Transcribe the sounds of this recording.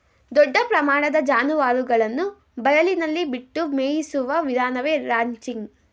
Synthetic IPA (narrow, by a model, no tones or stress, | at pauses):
d̪ɔɖːɐpɾɐmaːɳɐd̪ɐd͡ʒaːnuʋaːɾuɡɐɭɐnːu | bɐjɐlinɐlːibiʈːumeːjisuʋɐʋid̪ʱaːnɐʋeɾaːɲt͡ʃiŋɡ